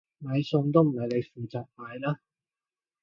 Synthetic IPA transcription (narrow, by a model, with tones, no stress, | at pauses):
mɐ˨˧jsʊ˧ŋt̪o˥wm̩˨˩hɐ˨jle˨˧jfuː˨t͡saː˨k̚maː˨˧jlaː˥